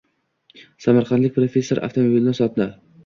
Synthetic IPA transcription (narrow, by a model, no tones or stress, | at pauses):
samaɾqʰɑnd̪lɪkʲpɾofʲe̞sːoɾʔa̰ft̪ʰomobilɪnsɒt̪na